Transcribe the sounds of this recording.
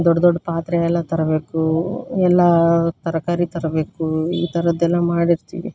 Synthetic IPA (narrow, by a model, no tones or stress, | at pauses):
d̪ɔɖːɐd̪ɔɖːpaːt̪ɾɛɛlːɐt̪ɐɾɐbe̞ːkuɛlːɐt̪ɐɾɐkaːɾit̪ɐɾɐbe̞ːkuiːt̪ɐɾɐd̪ɛlːɐmaːɽiɾt̪ḭːʋḭ